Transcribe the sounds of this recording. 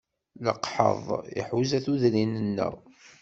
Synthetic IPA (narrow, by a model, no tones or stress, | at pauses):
ləqħə̰ðˤḭħwzæθuðɾinənːə̰w